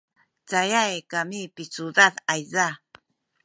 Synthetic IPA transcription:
t͡sajajkamipit͡sud̪aðajza

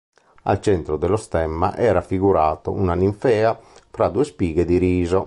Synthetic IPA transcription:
a̰lt͡ʃɛnt̪ɾɔd̪ɛlɔst̪ɛmːa̰ʔɛːɾafiɡuɾaːt̪ounaniɱfɛːafɾad̪uːespiːɡɛd̪iɾiːzɔ

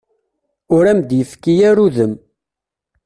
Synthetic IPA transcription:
ʊɾæmd̪jəfkːijæɾuðəm

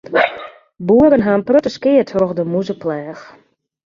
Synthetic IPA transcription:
buəɾənɦaːnprøtəskɪətrɔxdəmuzəplɛːx

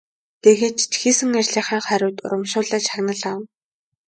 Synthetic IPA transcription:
t̪eɣeːt͡ɕt̪ʰxiːsɘ̆ŋærɮiːχaːŋχæɾʲʊːt̪ʊ̰ɾə̆mʃʊːɮaːt͡ɕaɣnə̆ɮaːw̆n

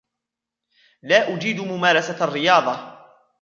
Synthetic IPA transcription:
laːʔʊd͡ʒiːd̪mʊmaːɾasarːɪjɑːðˤɑ

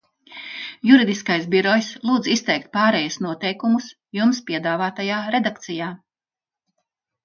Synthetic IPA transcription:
juɾid̪iskajs̬biɾɔjslˠuːd̪zist̪ɛjk̚t̪̚paːɾɛjusnuɔt̪ɛjkumus | jumspʲiɛd̪aːvaːt̪ajaːɾe̞d̪akt̪sijaː

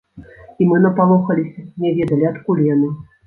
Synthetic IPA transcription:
imɨnɐpalˠɔxɐlʲisʲɐnʲɛvʲɛd̪ɐlʲiat̪kulʲjanɨ

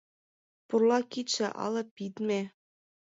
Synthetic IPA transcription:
purlɑkit̪ʃĕʔɑ̰lɤ̆pit̪me

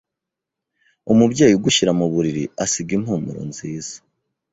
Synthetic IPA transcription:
umubɟaːjiɡuʃiɾamuβuɾiɾiasiɡimhuːmṵɾo̰nz̥iːz̥ḁ

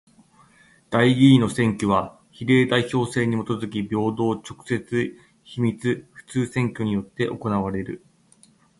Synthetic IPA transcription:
d̪̥aiɡʲiːno̞sẽ̞ŋkʲoβa | çiɾe̞ːd̪aiço̞ːse̞ːɲ̟imo̞t̪o̞zɨk̬ʲibʲo̞ːd̪o̞ːt͡ɕo̞kɯ̟̥se̞t͡sɨ | çimʲit͡sɨɸɯ̟̥t͡sɨːsẽ̞ŋkʲo̞ɲ̟ijo̞t̪ːe̞ʔo̞ko̞naβaɾe̞ɾɯ̟

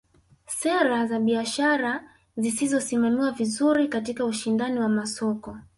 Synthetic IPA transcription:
sɛɾazaɓiaʃaɾa | zisizɔsimamiwavizuɾikatikauʃindaniwamasɔkɔ

